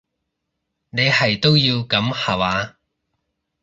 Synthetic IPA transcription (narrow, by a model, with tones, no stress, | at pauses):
ne˨˧jhɐ˨jt̪o˥wjiː˧wkɐ˨˥mhaː˨waː˨˧